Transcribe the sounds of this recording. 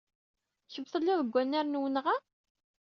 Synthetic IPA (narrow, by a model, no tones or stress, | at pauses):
çəvθəlːɪðˤəɡʷːænːæɾnwənʁa